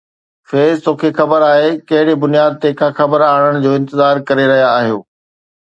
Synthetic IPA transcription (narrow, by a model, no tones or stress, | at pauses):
feːzt̪oːkʰexɐbəɾaːɦekɐɦɪɽibʊnijaːd̪̚t̪ekʰãxɐbəɾaːɽ̃əɽ̃ʊ̆d͡ʑoːɪ̃nt̪ɪzaːɾkɐɾeɾɐɦijaːɦijo̰ː